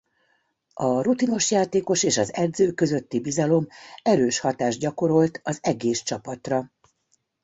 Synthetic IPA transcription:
ɒrut̪ino̞ʃjaːt̪eːko̞ʃeːʃɒzɛd̪zøːkø̞zø̞t̪ːibizɒlo̞mɛɾøːʃhɒt̪aːʒɟɒko̞ɾo̞lt̪ɒzɛɡeːst͡ʃɒpɒt̪rɒ

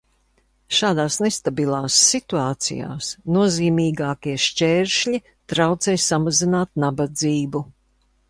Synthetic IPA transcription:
ʃaːd̪aːsnest̪abilˠaːsːit̪uaːt̪sḭja̰ːsnuɔziːmiːɡaːkiɛʃt͡ʃɛːɾʃʎʲi | t̪ɾawt̪sɛjsamazinaːt̪̚nabad̪ziːbu

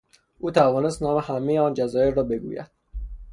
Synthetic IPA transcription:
ʔuːt̪ʰævɒːne̞st̪nɒːmehæmejeɒːnd͡ʒæzɒːjeɾːɒːbe̞ɡṵːjæ̰d̪̥

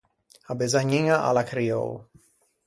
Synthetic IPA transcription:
abezaɲiŋaʔa̰lakɾio̰w

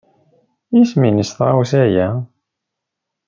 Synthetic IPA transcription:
isminəsθʁawsæjæ

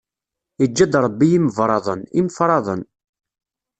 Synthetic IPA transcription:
id͡ʒːæd̪ɾˤəbːiiməvɾˤɑðˤəniməfɾˤɑðˤən

